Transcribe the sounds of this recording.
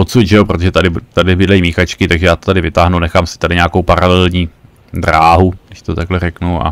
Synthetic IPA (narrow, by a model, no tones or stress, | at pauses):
ot̪suɟʒɛjopɾot̪oʒɛt̪adɪt̪adɪbɪdlɛimiːxat͡ʃkɪt̪aɡʒɛjaːt̪ot̪adɪvɪt̪aːɦnunɛxaːmsɪ̥t̪adɪɲeaːkowpaɾalɛɛlɲiː | d̪ɾaːɦuɡɪʃt̪ot̪aɡlɛrɛknuʔa̰